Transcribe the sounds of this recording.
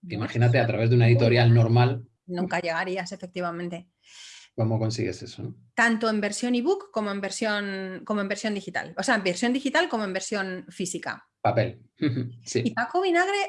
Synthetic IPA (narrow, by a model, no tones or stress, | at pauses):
imaxinat̪̬eat̪ɾaβe̞zðunaeðit̪o̞ɾjalnoɾmal | nũŋkaʎe̞ɣ̞aɾiase̞fek̚t̪iβ̞amẽnt̪e̞ | ko̞moko̞nsiɣese̞sonot̪ant̪oembe̞ɾsjo̞niβukːo̞mo̞e̞mbeɾsjo̞nko̞moembeɾsjo̞nd̪ixit̪a̰lo̞seaembeɾsjond̪ixit̪alko̞moembe̞ɾsjo̞nfisika̰ | pape̞l | h̩h̩siipakoβ̞inaɣ̞ɾe